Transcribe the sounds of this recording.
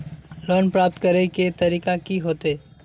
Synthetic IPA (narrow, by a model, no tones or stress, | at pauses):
lɔːnpɾaːp̚t̪kɐɾeket̪ɐɾiːkakiɦoːt̪eː